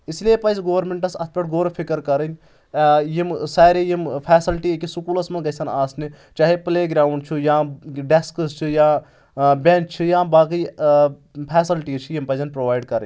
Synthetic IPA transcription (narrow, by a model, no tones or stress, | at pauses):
isliepɐjzɡoːʋɾmeɳʈɐsɐt̪ʰpʲɐʈʰɡoːɾpʰikɐɾkɐɾɐnʲ | jimsaːɾejimpʰɛːsilʈikisukuːlɐsmɐnɡɐjsɐnaːsni | t͡ʃaːɦepleːɡɾaːuɳɖt͡ʃʰujãːɖeskzt͡ʃʰujãː | bʲẽnkt͡ʃʰijãːbaːki | pʰɛːsilʈiːt͡ʃʰijimpɐjzɐnpɾoːʋaːjɖkɐɾɐ̰nʲ